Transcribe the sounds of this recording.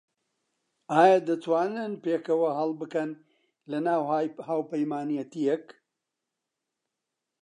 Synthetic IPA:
aːjad̪ɐt̪ʰwaːnɨnpeːkɐwɐɦɐlˠbɨkɐn | lɐnaːwahaːwpɐjmaːnijɐt̪ijek

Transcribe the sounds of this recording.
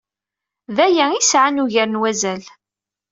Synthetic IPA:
ðæjæisʕanuʝəɾənwæzæl

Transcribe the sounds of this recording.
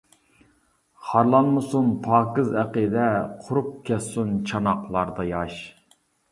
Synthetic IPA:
χɑɾlˠɑnmɨsunpʰɑːkɨzæqəd̪ɛqʰʊɾup̚kʲʰɛssunt͡ʃʰɑnɑqlˠɑɾd̪ɑjɑʃ

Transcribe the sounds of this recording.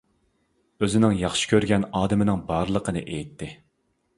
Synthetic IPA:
øzɪnɪŋjɑχʃi̥kʲʰøɾɡʲɛnɑːd̪ɨmɪnɪŋbɑɾlˠəqʰənɨ̰ʔejt̪ʰːɪ

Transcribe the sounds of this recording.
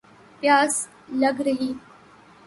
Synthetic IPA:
pjaːs | ləɡɾəɦiː

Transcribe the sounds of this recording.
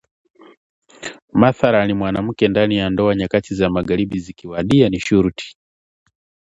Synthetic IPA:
maθaɾanimwanam̩kɛndanijandɔaɲakatizamaɡaɾiɓizikiwaɗianiʃuɾuti̥

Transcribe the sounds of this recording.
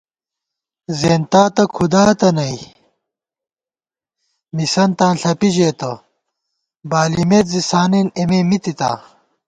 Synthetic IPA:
zeːnt̪aːt̪ɐkʰud̪aːt̪ɐnɐi | misɐnt̪ãːnɬɐpiʑeːt̪ɐ | baːlimet̪zisaːneːnememit̪it̪a̰ː

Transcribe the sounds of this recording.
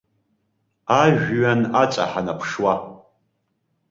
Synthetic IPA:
aʒᶣɥanat͡ʃʼa̰ħanapʰʂwa

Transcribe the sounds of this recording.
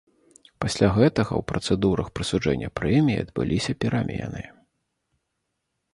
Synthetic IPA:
pasʲlʲaɣɛt̪ɐɣɐ̰wpɾɐt̪sɛd̪uɾɐxpɾɨsud͡ʐɛnʲːɐpɾɛmʲijiɐd̪bɨ̰lʲʔisʲɐpʲiɾʔamʲeɛ̰nɨ

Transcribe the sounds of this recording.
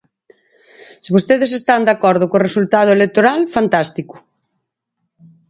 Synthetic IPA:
seβost̪eðes̬est̪and̪akɔɾðʊkoresult̪að̞ʊelek̚t̪oɾalfant̪ast̪ikʊ̥

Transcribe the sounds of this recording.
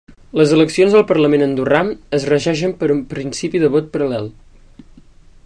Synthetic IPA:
ləzələksionzðəlˠpərləmenənd̪uraməzrəʒɛʃ̬əmpəɾumpɾinsipiðəβ̞ɔt̪̚pəɾəlɛlˠ

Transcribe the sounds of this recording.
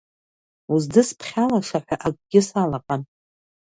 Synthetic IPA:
uzdɨspʰχʲalaʂaħʷᶣaʔakʷʼɡʲɪsalaqʼan

